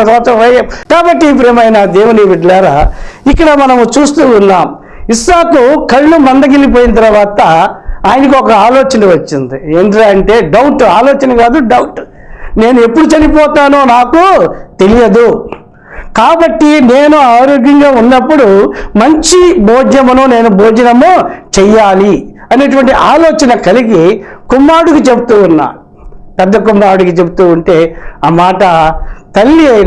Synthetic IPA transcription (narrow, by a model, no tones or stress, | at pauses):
sɔt͡ʃɐʋɐjaːmkaːbɐʈːip̬ɾeːmɐjnad̪eːʋuniʋiʈlaːɾa̰ːikːɐɽɐmɐnɐmt͡ʃuːst̪uːnːaːm | isaːkukɐɭːlumɐnd̪ɐɡelip̬oːjinɐt̪̬ɐɾɐʋaːt̪ɐaːjɐnɐk̬iɔkɐaːlɔːt͡ʃɐnɐʋɐt͡ʃːind̪ieːɳʈiɾaːɐɳʈe̞ːɖɐwʈaːloːt͡ʃɐnɐɡaːd̪uɖɐwʈ | ne̞ːnue̞pːuɽut͡ʃɐnipɔːt̪aːnoːnaːkut̪e̞lijɐd̪u | kaːbɐʈːineːnuaːɾoːɡjɐŋɡaːunːɐpːuɽumɐɲt͡ʃibʱoːd͡ʒnɐmɐnune̞ːnubʱoːd͡ʒɐnɐmut͡ʃɛjːaːli | ɐneʈ̬uʋɐɳʈiʔaːloːt͡ʃɐnɐkɐliɡikumːaːɾuɽukit͡ʃe̞but̪uːunːa̰ː | pɛd̪ːɐkumːaːɾuɽukit͡ʃe̞but̪uːuɳʈe̞ːaːmaːʈɐt̪ɐlːiɐ